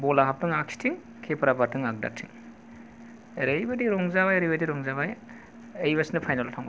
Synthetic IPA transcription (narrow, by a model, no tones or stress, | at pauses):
bɔlaɦap̚tɯŋak̚si̥tʰiŋ | kʰepɾabatʰɯŋak̚da̰tʰiŋ | eɾejbadiɾɔŋzabajeɾibadiɾɔŋzaβaj | ejβasnɯpʰajnaltʰawŋba